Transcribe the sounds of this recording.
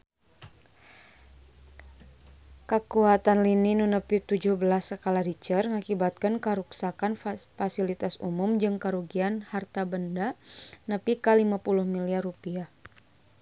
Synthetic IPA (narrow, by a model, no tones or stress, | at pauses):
kəkuat̪anlininunəpit̪ud͡ʒʊhbəlasːəkalahɾit͡ʃərŋakibat̪̚kankəɾuksakanfasilit̪asṵmumd͡ʒɨŋkəɾuɡianhart̪abəndanəpikalimapulʊhmiliarupiah